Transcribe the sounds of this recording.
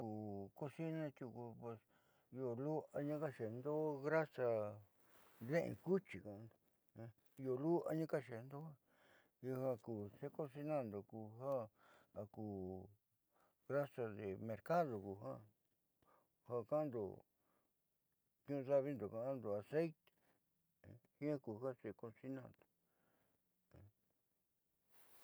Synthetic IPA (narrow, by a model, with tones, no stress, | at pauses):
kuː˨ko˦si˦nã˧t̪ʲu˧ku˧pe˧s | i˧o˧lu˦a˧ɲã˦ka˦ʃe˨˧nd̪o˦ɣɾa˦sa˧ | ðẽ˦ʔḛ̃˧ku˦t͡ʃi˨kã˧nd̪o˨˧ | o˧lu˦a̰˧ɲã˦ka˦ʃe˨˧nd̪o˦ha˦ | ju˧hã˧kuː˨se˦ko˦si˧nã˦˨nd̪o˨ku˧˨ɦã˦a˧kuː˨ | ɣɾa˦sa˧ðe˨mẽ˧ɾka˦ðo˨ku˨ɦã˦ | hã˧kã˦nd̪o̰˨ | kɲũ˦˧ða˦βi˦nd̪o˨ka˧ã˦nd̪o˨a˨se˦jt̪e̥˨˧˦ | hĩ˦a˦ku˨ha˦se˧kõ˧nsi˧nã˧˨nd̪o̥˨˧